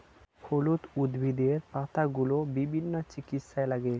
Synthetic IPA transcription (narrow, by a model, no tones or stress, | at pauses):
kʰolut̪ud̪bʱid̪eɾpat̪aɡulobibʱinːot͡ɕikit̪ʃaelaɡe